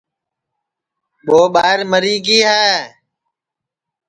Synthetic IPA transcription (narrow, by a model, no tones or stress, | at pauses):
ɓoːɓaːɦɪɾməɾiːɡiːɦaː